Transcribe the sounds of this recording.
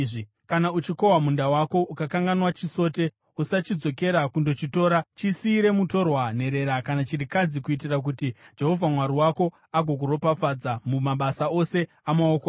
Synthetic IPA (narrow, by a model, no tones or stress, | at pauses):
ʐi | kanaut͡ʃiko̞wamundawako̞ʔukakaŋɡanwat͡ʃiso̞ːte̞ | usat͡ʃid͡zo̞ke̞ɾakundo̞t͡ʃito̞ːɾat͡ʃisiːɾe̞muto̞rwan̤e̞ɾe̞ɾakanat͡ʃiɾikad͡zikuit̬irak̬utid͡ʒe̞ɦo̞vʱamwaɾiwako̞ | aɡʱo̞k̬uɾo̞pafad͡zamumaɓasao̞se̞ | amaoka